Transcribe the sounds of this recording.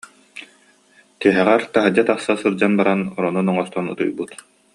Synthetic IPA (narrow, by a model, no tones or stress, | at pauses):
t̪iɛɦɛʁɛɾt̪aɦad͡ʑat̪aχsasɯɾd͡ʑanbaɾanɔɾɔnunɔŋɔst̪ɔnɯ̰t̪ɯ̰jbɯt̪